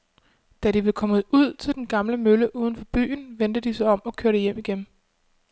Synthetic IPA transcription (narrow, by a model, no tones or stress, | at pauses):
d̥æɾ̥iʋekʰɒ̽məuð̞̰ˠt͡sʰe̝ld̥enɡ̥ɑ̈mləmøləʔuːð̞ˠn̩fɒ̽b̥y̰ːnʋend̥əd̥isɒɒ̽mɒ̽kʰøːɐɾ̥ejem̰iɡ̥en